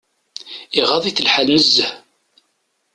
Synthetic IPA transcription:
iʁɑðˤiθəlħalməzːəh

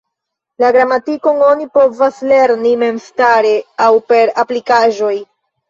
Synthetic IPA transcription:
laɡɾamatiko̞ŋo̞nipo̞vasle̞ɾnime̞mstaɾe̞awpe̞ɾaplikaʒo̞j

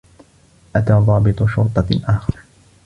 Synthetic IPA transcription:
ʔat̪aːðˤɑːbɪt̪ˤʊʃʊɾt̪ˤɑʔaːxɑɾˤ

